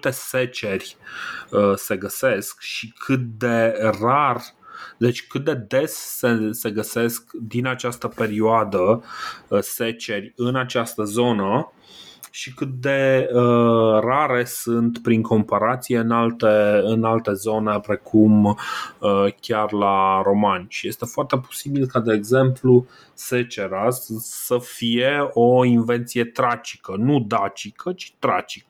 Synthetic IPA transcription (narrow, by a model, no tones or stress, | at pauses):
ɨt̪e̞se̞t͡ʃe̞rʲ | əse̞ɡəse̞skʃikʰɨt̪̚d̪e̞rard̪e̞t͡ʃʲkɨt̪̚d̪e̞d̪e̞sːese̞ɡəse̞skd̪inat͡ʃast̪əpe̞ɾioad̪ə | se̞t͡ʃe̞rʲɨnat͡ʃast̪əzo̞nə | ʃikɨt̪̚d̪e̞əraɾe̞sɨnt̪pɾiŋkʰo̞mpaɾat̪sije̞ɨnalt̪eɨnalt̪e̞zo̞ne̞pɾe̞kʰum | əkʲarlaɾo̞manʲʃije̞st̪e̞foart̪e̞po̥sibilkad̪e̞ːɡze̞mplu | se̞t͡ʃe̞ɾasəfijeo̞inve̞nt̪sije̞t̪ɾat͡ʃi̥kənud̪at͡ʃikʰət͡ʃi̥t̪ɾat͡ʃi̥kə